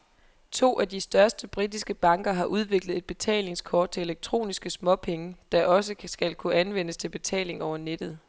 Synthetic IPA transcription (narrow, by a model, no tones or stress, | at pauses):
t͡sʰo̝̰ːʔæd̥isd̥ɶɐsd̥əb̥ʁidisɡ̥əb̥ɑ̈ŋ̰ɡ̥ɐɦɑ̈ʔuð̞ˠʋe̝ɡ̥ləð̞̩ˠe̝d̥̚b̥e̝t͡sʰɛ̰ːle̝ŋskʰɒ̰ːd̥̚t͡sʰe̝e̝leɡ̥̚t͡sʰʁo̝̰ːnisɡ̥əsmɒ̽pʰeŋəd̥ɑ̈ʔɒ̽səsɡ̥ælkʰuænʋen̰əst͡sʰe̝lb̥e̝t͡sʰɛ̰ːle̝ŋɒʊ̰ɐned̥ð̞̩ˠ